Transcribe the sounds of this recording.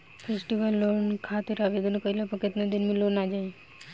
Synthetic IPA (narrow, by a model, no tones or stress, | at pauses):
pʰesʈiʋəlːonkʰat̪ɪɾaʋed̪ənokəilopəkɪt̪nad̪ɪnmẽlonaːd͡ʒaːi